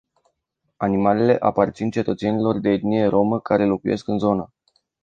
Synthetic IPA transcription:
animale̞le̞ʔapart̪sint͡ʃe̞t̪ət̪se̞nilo̞rd̪e̞ːt̪nije̞ɾo̞məkaɾe̞lo̞kuje̞̰skɨnzo̞nə

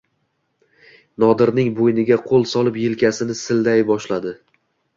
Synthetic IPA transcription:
nɒd̪ɪɾnɪŋbojnɪɡʲaqʰolˠsɒlˠɪpjɪlkʲasɪnɪsɪld̪ajbɒʃlad̪ɪ

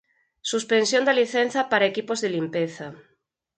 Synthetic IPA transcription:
suspensjõnd̪aliθen̟θɐpaɾaekipozðelimpeθa

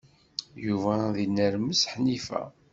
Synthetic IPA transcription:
juvæðinːəɾməsħnifæ̰

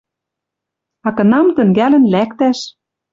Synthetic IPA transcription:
ɑkɤ̆nɑmt̪ə̆ŋɡælɘ̆nlækt̪æʃ

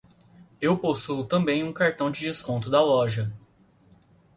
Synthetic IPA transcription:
ewposuʊt̪ɐ̃mbẽj̃ũkaɾt̪ɐ̃w̃d͡ʒɪd͡ʒɪskõnt̪ʊd̪ɐlɔʒɐ

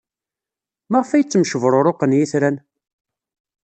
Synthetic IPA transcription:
maʁfæjət͡sːəmʃəvɾˤoɾˤoqənjiθɾæn

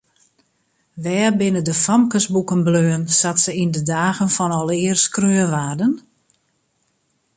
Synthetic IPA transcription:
ʋɛːrbɪnədəfamkəsbukənbløːənsatsəindədaːɣənfɔnɔlˠɪərskrøːənʋaːrdən

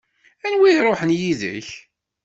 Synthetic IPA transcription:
ænwiɾˤoħənjiðə̰ç

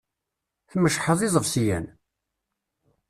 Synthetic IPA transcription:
θməʃħəðˤɪzˤəvsijæ̰n

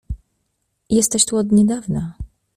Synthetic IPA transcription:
jɛst̪ɛɕt̪uɔd̪ɲɛd̪avna

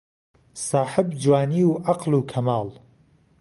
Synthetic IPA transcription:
sɑːħɪbd͡ʒwaːniːwʔɑqluːkʰɐmaːl

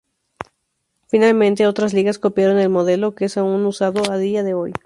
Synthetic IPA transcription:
finalmẽ̞nt̪eo̞t̪ɾasliɣasko̞pjaɾo̞ne̞lmo̞ðe̞lo̞keesaunusaðo̞ald̪iaðe̞o̞j

